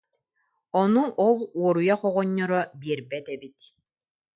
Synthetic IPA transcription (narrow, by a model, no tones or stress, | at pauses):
ɔnuɔlˠuɔɾujaχɔʁɔɲːɔɾɔbiɛɾbɛt̪ɛbit̪